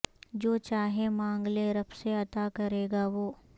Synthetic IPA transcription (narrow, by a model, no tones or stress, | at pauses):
d͡ʒoːt͡ʃaːɦemãːŋɡleɾɐpseɐt̪akɐɾeːɡaʋoː